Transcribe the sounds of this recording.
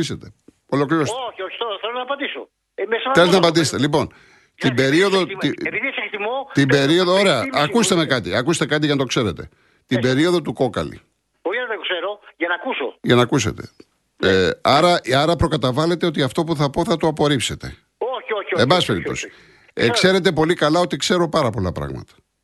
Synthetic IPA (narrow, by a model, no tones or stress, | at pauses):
iset̪e̞ | o̞lo̞kliɾosooit̪oɾθelonɐɐpɐnd̪iso | mesɐelznɐpɐnd̪ise̥t̪elipo̞n | t̪ibe̞ɾio̞ðot̪ipiðisekt̪imot̪imbe̞ɾio̞ðooɾeɐɐkust̪emekɐt̪ḭɐkuse̥t̪ekɐt̪̬iʝɐnɐt̪o̞kse̞ɾe̞t̪e̞̰ | t̪ibe̞ɾio̞ðo̞t̪uko̞kɐlḭ | boiɐɐt̪ekseɾoʝɐnɐkusoʝɐnɐkuse̞̰t̪e̞̰ | eɐɾɐɐɾɐpɾo̞kɐt̪ɐvɐle̞t̪e̞o̞t̪iɐft̪o̞puθɐpo̞θɐt̪oɐpo̞ɾipse̞t̪e̞̰ | oçioçebɐspe̞ɾip̪o̞̰si̥ | ekse̞ɾe̞t̪e̞po̞likɐlɐot̪ikse̞ɾo̞pɐɾɐpo̞lɐ̰pɾɐ̰ɣmɐ̰t̪ɐ̥